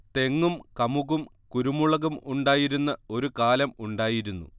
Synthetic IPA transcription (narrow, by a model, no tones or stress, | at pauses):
t̪e̞ŋːumkɐmuɣum | kuɾumuɭɐɣumuɳɖaːjiɾunːɐo̞ɾukaːlɐmuɳɖaːjiɾunːṵ